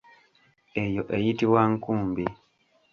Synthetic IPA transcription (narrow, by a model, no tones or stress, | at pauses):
ejoʔejitiwaŋkuːmbi